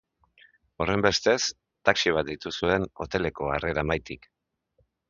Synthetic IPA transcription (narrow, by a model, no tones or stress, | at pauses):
o̞re̞mbe̞st̪e̞s | t̪aksiβ̞at̪̚d̪it̪usue̞no̞̰t̪e̞le̞ko̞are̞ɾamajt̪ik